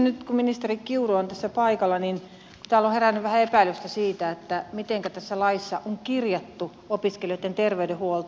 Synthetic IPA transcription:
nyt̪kumminist̪erikkiuroont̪æsːæpɑikɑlːɑnin | ku̥t̪æːˑloherænːyʋʋæhæepæilyst̪æsiːt̪æet̪ːæmit̪eŋkæt̪æsːælɑisːɑʔoŋkirjɑt̪ːu | opiskelioit̪ːent̪erʋeydehuolt̪

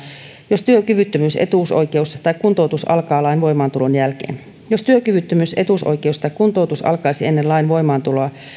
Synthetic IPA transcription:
jost̪yøkyʋyt̪ːømyːsḛt̪uˑso̰jkeust̪ɑikkunt̪out̪usɑ̰lkɑːlɑinʋo̞imɑːnt̪ulo̞njælkḛːn | jo̞st̪yøkyʋyt̪ːømysʔe̞̰t̪uˑso̰jke̞ust̪ɑikkunt̪out̪usɑ̰lkɑisie̞nːelɑinʋo̞jmɑːnt̪uloɑ

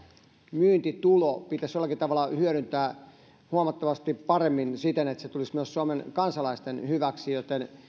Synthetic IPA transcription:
myːnt̪it̪ulopit̪æsjolːˑɑkit̪ɑʋɑlːˑɑhyøɾynt̪æː | huɑmɑt̪ːɑʋɑst̪ippɑremːinsit̪enet̪set̪ulismyøssuɑmenkɑnsɑlɑist̪enhyʋæksijot̪en

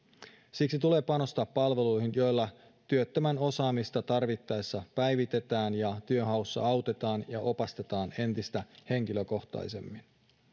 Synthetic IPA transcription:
siksit̪ule̞ːpɑno̞st̪ɑːpːɑlʋe̞lujhinjo̞jlːɑ | t̪yøt̪ːəmæno̞sɑːmist̪ɑt̪ɑrʋit̪ːɑesːɑpæjʋit̪e̞t̪æːnjɑt̪yøɦɑusːɑ̰ɑwt̪e̞t̪ɑːnjɑʔo̞pɑst̪e̞t̪ɑːne̞nt̪ist̪æhe̞ŋk̟iløko̞xt̪ɑ̰jse̞̰mːin

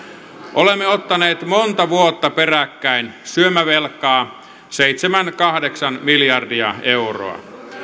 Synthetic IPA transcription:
ʔolemːeot̪ːɑneːt̪mont̪ɑʋuot̪ːɑperækːæinsyømæʋelkːˑɑː | seit̪semænkɑhdeksɑnmiljɑrdiɑ̰euro̰ɑ̰

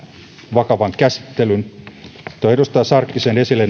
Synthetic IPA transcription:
ʋɑkɑʋɑŋkæsi̥t̪ːelyn | t̪oieɾust̪ɑːsɑrkːisene̞silːen

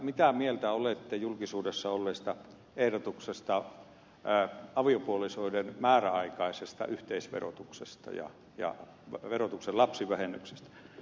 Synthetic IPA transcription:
mit̪æmielt̪æolet̪ːejulkisuːdesːɑolːeːst̪ɑ | ehɾot̪uksest̪ɑ | ɑʋiopuolisoidenmæːræɑikɑisest̪ɑ̰ʔyht̪eisʋḛro̰t̪uksḛst̪ɑ̰jɑ̰ | jɑ̰ | ʋerot̪ukselɑpsiʋæhenykse̥st̪æ̥

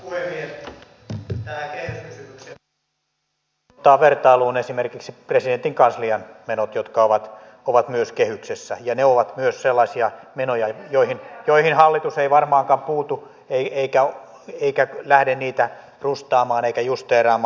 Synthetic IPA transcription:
puhemːies | t̪ælækehyskysymykse | t̪ːɑːʋert̪ɑiluːnesimerkiksipresident̪iŋkɑnsliɑnmenot̪jot̪kɑoʋɑt̪ | oʋɑt̪myøskehyksesːæjɑneoʋɑt̪myøsselːɑsiɑmenojɑjoihinjoihinhɑlːit̪useiʋɑrmɑːŋkɑmpuːt̪u | eieikæ | eikælæhdenniːt̪æ | rust̪ɑːmɑːneikæjust̪eːrɑːmː

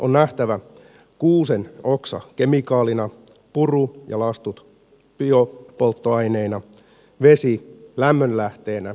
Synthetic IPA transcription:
ʔonnæht̪æʋæ | kuːseno̞ksɑ̰ke̞mikɑːlinɑ | purujɑ̰lɑst̪ut̪ | piopo̞lt̪ːoɑjneinɑ | ʋe̞silæmːønlæht̪e̞ːnæ

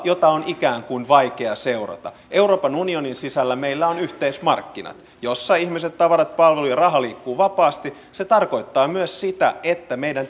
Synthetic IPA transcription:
jot̪ɑonikæːŋkuinʋɑikeɑseurɑ̰t̪ɑ̰ | ʔeuro̞ːpɑnunioninsisælːæmeilːæonyht̪eismɑ̰rkːinɑ̰t̪ | josːɑihmiset̪t̪ːɑʋɑɾɑt̪̚pɑlʋelujɑrɑɦɑliːkːuːʋɑpɑːst̪i | set̪ɑrkoit̪ːɑːmyøssit̪æ̰et̪ːæmeidæn

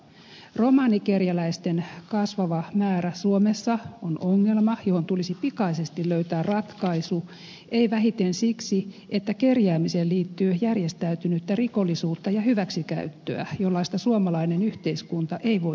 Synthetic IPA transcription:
romɑːnikerjælæist̪enkɑsʋɑʋɑmæːræsuomesːɑonoŋːelmɑjohont̪ulisipikɑisest̪iløyt̪æːrrɑt̪kɑisu | eiʋæɦit̪ensiksiet̪ːækerjæːmiseːliːt̪ːyːjærjest̪æyt̪ynyt̪ːæriko̞lːisuːt̪ːɑjɑhyʋæksikæ̰yt̪ːø̰æ̰jolːɑist̪ɑsuomɑlɑinenyht̪eiskunt̪ɑʔeiʋo̞

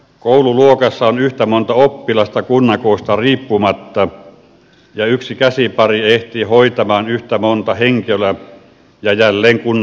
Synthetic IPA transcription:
koˑululuokɑsːɑonyht̪æmont̪ɑopːilɑst̪ɑkunːɑkoˑːst̪ɑriːpːumɑt̪ːɑ | jɑyksikæsipɑrieht̪ihoit̪ɑmɑːnyht̪æmont̪ɑheŋkølæ | jɑjælːeːŋkunː

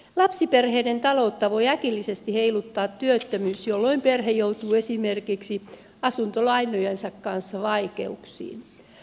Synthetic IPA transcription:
lɑpsiperheːdent̪ɑlout̪ːɑʋoiækilːisest̪iheilut̪ːɑːt̪ːyøt̪ːømyːsjolːoimperɦejowt̪uːesimerkiksi | ɑsunt̪olɑinˑojensɑkkɑnsːɑʋɑikeuksḭːn

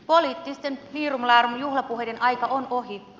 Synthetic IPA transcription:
poliːt̪ːist̪enfiːrumlɑːrumjuhlɑpuɦedenɑjkɑʔonoɦi

